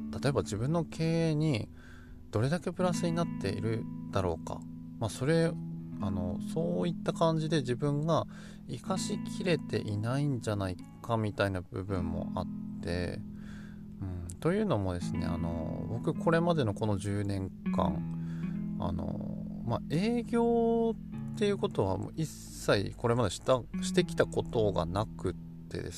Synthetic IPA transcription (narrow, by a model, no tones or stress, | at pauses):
t̪ḁt̪o̞e̞bad͡ʑibɯ̟̃nːo̞kʰe̞ːeɲ̟i | d̪̥o̞ɾe̞d̪ake̞pɯ̟ɾasɨɲ̟inat̪ːe̞̰ḭɾɯ̟d̪̥aɾo̞ːka̰maso̞ɾe̞ano̞̰so̞ːit̪ːakãɲ̟d͡ʑid̪e̞d͡ʑibɯ̟̃ŋɡa | ikaɕikʲʰiɾe̞t̪e̞̰ʔinaiɲ̟d͡ʑanai | kamʲit̪ainabɯ̟̰bɯ̟̃mːo̞̰ʔa̰t̪ːe̞̰ | ɯ̟̃ɴt̪o̞jɯ̟ːno̞mo̞d̪e̞sɨne̞̰a̰no̞̰bo̞kɯ̟kʰo̞ɾe̞mad̪e̞no̞ko̞no̞ʑɨːnẽ̞ŋkã̰ŋ | a̰no̰mae̞ːɡʲo̞ː | t̪ːe̞jɯ̟ːko̞t̪o̞βamo̰isːaiko̞ɾe̞mad̪e̞̥t̪aɕi̥t̪e̞kʲi̥t̪ako̞t̪o̞ɡa̰nakɯ̟t̪ːe̞̰d̪e̞̰s